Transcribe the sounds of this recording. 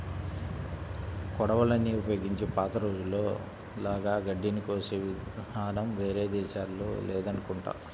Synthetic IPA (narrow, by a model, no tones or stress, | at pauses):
kɔɽɐʋɐlɐnːiupɐjoːɡiɲt͡ʃipaːt̪ɐɾo̞ːd͡ʒulːo̞ː | laːɡaːɡɐɖːinikʋoseːʋiaːnɐmʋe̞ːɾe̞ːd̪ɛːʃaːlːo̰ːlɛːd̪ɐnukuɳʈa̰ː